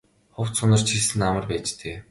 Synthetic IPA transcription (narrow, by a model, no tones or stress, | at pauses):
χʊw̥t̪sʊnə̆r̥t͡ɕʰisɘ̆namə̆rpæːt͡ɕt̪ʰeː